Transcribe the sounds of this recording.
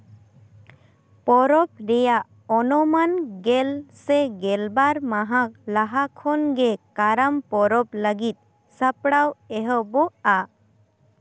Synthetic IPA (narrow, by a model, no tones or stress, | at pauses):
pɔɾɔp̚ɾɛjaʔ | ɔnɔmanɡɛlsɛɡɛlbaɾmaɦak̚laɦakʰɔnɡɛkaɾampɔɾɔp̚ləɡit̪̚ | sapɽawɛɦəbɔʔa